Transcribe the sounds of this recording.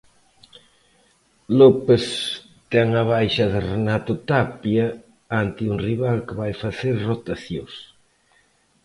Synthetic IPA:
lopes | t̪ɛŋɐβajʃɐðɪrenat̪ʊt̪apjɐ | ant̪ɪuŋriβalkɪβajfaθeɾrot̪aθjõs

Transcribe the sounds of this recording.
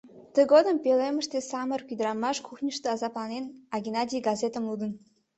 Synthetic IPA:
t̪əɡod̪ə̆mpelemə̆ʃt̪esɑmərkyd̪əɾɑmɑʃkʰuxnʲəʃt̪ĕɑzɑplɑnenɑɡʲinɑdʲijɡɑzʲet̪əmlud̪ə̆n

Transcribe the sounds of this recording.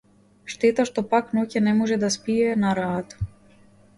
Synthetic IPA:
ʃt̪ɛt̪aʃt̪ɔpaknɔcɛnɛmɔʒɛd̪aspiɛnaɾaːt̪

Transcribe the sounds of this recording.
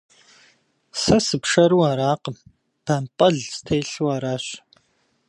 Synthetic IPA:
sɐsɨpʂɐɾuwaːɾaːqəm | b̥ɐmpʼɐɮsɨ̥tʰeːɬuwaːɾaːɕ

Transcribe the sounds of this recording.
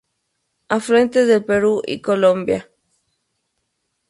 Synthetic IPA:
afɾẽ̞nt̪eðelpeɾuʔḭkolõmbja

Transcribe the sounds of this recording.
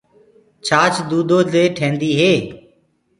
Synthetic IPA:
t͡ʃʰaːt͡ʃd̪uːd̪ʱoːleːʈʰẽːnd̪iːɦeː

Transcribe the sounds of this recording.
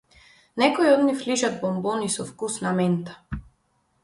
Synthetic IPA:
nɛkɔiɔd̪nifliʒad̪̚bɔmbɔnisɔfkusnamɛnt̪ḁ

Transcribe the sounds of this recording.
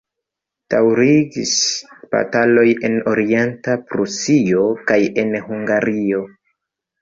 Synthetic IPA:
d̥awɾiɡisba̰talo̞je̞no̞ɾie̞ntapɾusio̞kaje̞nhuŋɡaɾʔio̞

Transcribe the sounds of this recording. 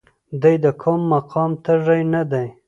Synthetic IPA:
d̪ujd̪əkʰʊmːaqʰɑmt̪əʐajnad̪aj

